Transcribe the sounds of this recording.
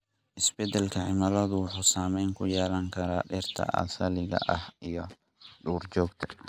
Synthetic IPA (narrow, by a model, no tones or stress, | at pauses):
ʔɪsbɛd̪ɛlkʰɐʕɪmɐlɐðʊwʊħuːsaːmɛjŋkʰʊjɛːlɐŋkʰɐɾaːɗɛrt̪ʰɐ̰ʔɐ̰sɐlɪɣɐ̰ʔɐhijɔ | ɗuːrd͡ʒɔːɡt̪ʰɐ̥